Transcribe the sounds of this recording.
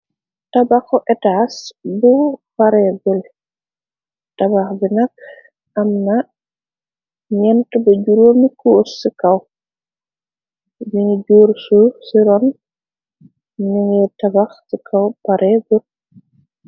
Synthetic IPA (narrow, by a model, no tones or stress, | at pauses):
tabakːɔʔɛtasbupaɾɛɡul | tabaxbɛnak̚ | ʔamna | ɲɛntubɐɟuɾoːmikosːikaw | biŋid͡ʒuɾsusiɾɔn | nuŋɛtabaxsikʰawpaɾʔɛːɡul